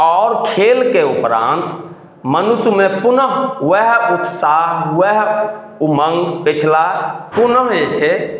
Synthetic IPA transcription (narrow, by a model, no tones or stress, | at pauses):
ɔʊɾkʰelkeupɾa̰nt̪ | mənusumepunəɦweɦut̪saɦʋeɦ | uməŋɡpit͡ʃʰlapunəɦet͡ʃʰe